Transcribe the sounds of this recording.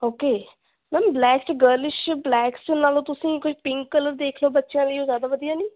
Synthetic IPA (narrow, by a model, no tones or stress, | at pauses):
oːkeː | mɛ̃nblɛːkʈɡəɾlɪʃblɛːkst͡ʃʊnaːlõːt̪ʊsĩːkʊʃʰpɪ̃ŋkːələɾd̪eːkʰloːbətːʃjãːləiːoːzjaːd̪aːʋəd̪ijaːniː